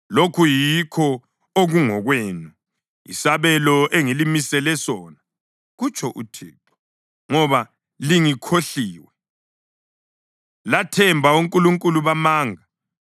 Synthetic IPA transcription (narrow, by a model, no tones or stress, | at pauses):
lokʰujikʰɔ | oɣuŋɔɣweːnu | ḭsaβɛlɔʔeŋilimisɛlɛsɔːna | ɣut͡ʃʰʼɔʔutʰɛ̰ːtʰɔ̥ | ŋɔβa | liŋikʰoɬiːwɛ | latʰɛmbʱauŋkʼuluŋkʼuluβamaːŋa